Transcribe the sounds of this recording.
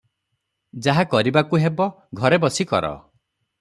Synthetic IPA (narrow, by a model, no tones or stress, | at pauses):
d͡ʒaɦakɔɾibakuɦebɔ | ɡʱɔɾebɔsikɔ̰ɾɔ̰